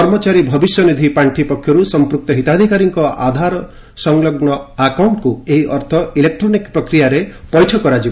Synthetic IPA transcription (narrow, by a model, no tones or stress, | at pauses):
ɔɾmɔt͡ʃaɾibʱɔbisjɔnid̪ʱipaɳʈʰipɔkʰjɔɾusɔmpɾuk̚t̪ɔɦit̪ad̪ʱikaɾiŋkɔʔa̰d̪ʱaɾɔ | sɔŋlɔɡɳɔakawɳʈɔkueɦiʔɔɾt̪ʰɔilek̚ʈɾonikpɾɔkɾijaɾepɔjʈʰɔkɔɾad͡ʒibɔ